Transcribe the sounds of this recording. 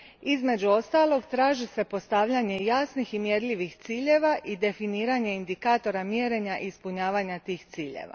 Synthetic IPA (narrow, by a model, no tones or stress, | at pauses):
izme̞d͡ʑuo̞st̪alo̞ɡt̪ɾaːʒise̞po̞st̪aʋʎaɲe̞jasniximjeɾʎiʋixt̪siːʎe̞ʋaʔid̪e̞finiːɾaɲe̞ind̪ikaːt̪o̞ɾamjeɾe̞ɲaʔispuɲaːʋaɲat̪iːxt̪siːʎḛʋa̰